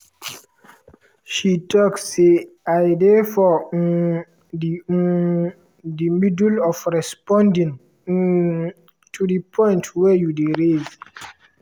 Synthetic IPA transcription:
ʃitɔkse | aɪdefɔ | dimidulɔfɹɛspɔ̃ndĩŋ | tʰudipʰɔ̃ɪ̃ntʰwɛjudeɹez

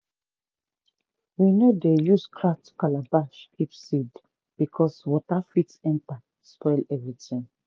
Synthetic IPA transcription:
winodejuskʰɹak̚tʰu̥kalabaʃkʰipsid | b̥ikʰɔswɔtafitɛ̃mta | spɔɪlɛvɹitĩŋ

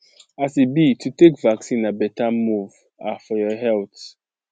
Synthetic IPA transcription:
asibitʰutekvaksĩnabɛtamuv | afɔjɔɦɛlt

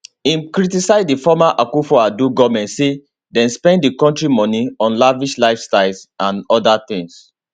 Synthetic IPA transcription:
ĩnkɹitisaɪzdifɔmaʔakufɔaduɡɔmɛ̃ntse | dɛ̃nspɛ̃nddikɔ̃ntɹimɔniɔ̃nlaviʃlaɪfstaɪlsãnɔdaθɪ̃ŋs

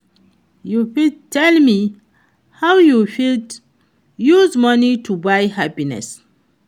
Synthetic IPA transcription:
jufidtʰɛlmi | hawjufid | juzmʌnitʰubajhapinɛ̰s

